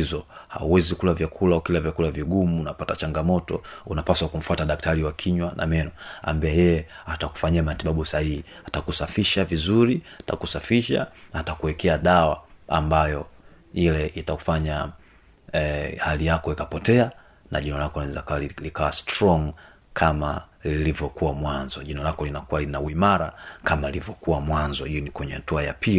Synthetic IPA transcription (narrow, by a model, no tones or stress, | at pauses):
izɔha̰uwɛzikulavjakʰulaɔkilavjakulaviɡumuunapatat͡ʃaŋɡamɔtɔ̰unapaswakum̩fataɗak̚tʰaɾiwakʰiɲwanʔa̰mɛnɔa̰ːmbiɛjɛjɛataku̥faɲiamatiɓaɓusahihihatakusafiʃavizuɾihata̰kusafiʃa̰atakuwɛkʰɛaɗawa̰a̰mbajɔ | ilɛʔitaku̥faɲa | halijakɔikapɔtɛa | na̰ʄinɔlakɔnzaklikawastɾɔŋ | kʰama | lilivjɔkuwamwanzɔʄinɔlakɔlinakualinawimaɾakamalivjɔkuwamwanzɔinikwɛɲɛhatuaja̰pʰi